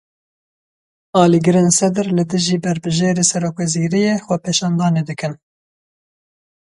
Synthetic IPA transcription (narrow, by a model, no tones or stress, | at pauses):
ɑːliːɡɨɾeːnsɛd̪ɨɾlɨd̪ɨʒiːbɛɾbɨʒeːɾeːsɛɾoːkwɛziːɾijeːxʷɛpʰeːʃɑːnd̪ɑːneːd̪ɨkɨn